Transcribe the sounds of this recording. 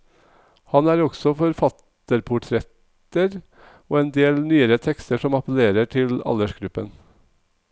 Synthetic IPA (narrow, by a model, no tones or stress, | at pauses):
hɑnæːɾɔɡ̥sɔfɔɾfɑt̪ | əɾpʰʊʈʰɾɛt̪ | əɾ | oːeːnd̪eːlnyːəɾət̪ʰɛkst̪əʂɔmɑpəleːɾəʈʰɪlɑ̰ləʂɡɾʉpːə̰n